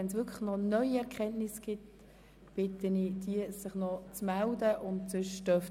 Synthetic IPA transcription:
ɛnsʋʏkʰləχnɔnœʏiɛʁkʰɛntnɪsɡ̥ɪt | b̥ɪtənid̥iəsɪχnɔt͡smældəʔʊntsʏʃtœf

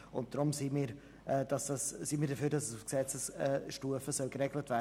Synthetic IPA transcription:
ʊnt̚d̥ɾʊmsiːmiːɾ | ʔɛːd̥ɑsd̥ɑssiːmiːɾdəføːdɑsəsʊfksɛt͡səsɛːʃtuːəfəsœlɡəɾɛɡlətvɛːə

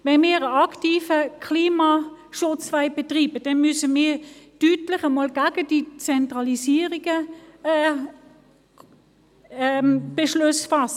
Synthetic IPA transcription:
vɛnmiːʁəɑktiːfəkʰliːmaʃʊt͡svaɪb̥ɛtʁiːbəd̥ɛnmysəmiːɐd̥ytlɪχəmoːlɡ̥aɡ̥əd̥it͡sɛntʁɑlisiːəʁiɡ̥ə | ɛb̥eʃlʊsfɑsə

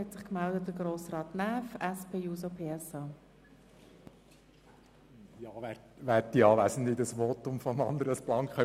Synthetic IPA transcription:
hɛtsɪχkmɛldət̚dəɡroːsrɑːtnæːfɛspʰeːjuːsopʰeːɛsɑ | jɑːɛ | ʋæːɾtːiɑːʋæsənd̪ɪd̪əsʋoːtʊmfoəmɑnd̪əɾəəsplɑŋkχœ

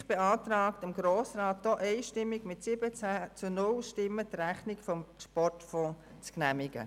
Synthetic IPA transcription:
χb̥eɑːt̪ɾaːktəmɡɾoːsraːt̚d̥ɔʔɛɪʃtɪmːɪɡmɪtsɪbət͡sæːt͡sunʊlʃtɪmːətræχnɪɡfɔmʃpɔrtfɔ̃ː | t͡sknæmɪɡ̥ə̰

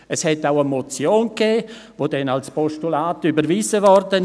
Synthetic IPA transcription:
əshɛtaʊəmɔt͡sjoːnkeːvodɛnalspɔʃtulaːtybəɾviːzəvɔrdən

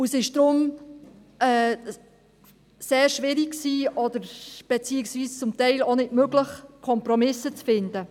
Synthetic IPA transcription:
usɪʃd̪̥ɾʊm | ɛː | seːɾʃʋɪɾikksiːɔd̥̪əɾb̥ɛt͡siːɪksviːst͡sʊmt̪ɛɪlonɪdmøɡləχkʰɔmpɾɔmɪsət͡sfɪnd̪ə

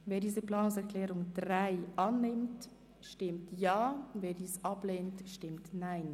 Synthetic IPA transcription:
veːdiːzəpl̥aːnʊŋsɛʁklɛːʁʊŋd̥ʁaɪʔanːɪmt | ʃtɪmtjaːveːɐdiːsʔapleːntʃtɪmtnaɪn

